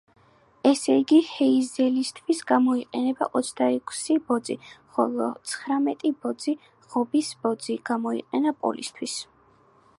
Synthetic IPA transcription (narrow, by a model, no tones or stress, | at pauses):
ɛsɛiɡihɛizɛlist̪ʰwisɡamɔiqʼɛnɛba̰ʔɔt̪sʰd̪aɛkʰsibɔd̪ziχɔlˠɔt̪sʰχɾamɛt̪ʼibɔd̪zi | ʁɔbisb̥ɔd̪ziɡ̥amɔḭqʼɛnapʼɔ̰lḭst̪ʰwis